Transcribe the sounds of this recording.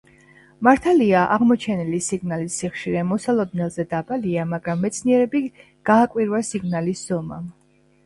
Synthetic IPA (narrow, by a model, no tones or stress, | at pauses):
maɾt̪ʰaliaʔaʁmɔt͡ʃʰɛnilisiɡnalisːiχʃiɾɛmɔsalˠɔd̪nɛlˠzɛd̪abʼaliamaɡɾamːɛt̪sʰniɛɾɛbi | ɡ̥aːkʼwiɾwasiɡnalisz̥ɔma̰m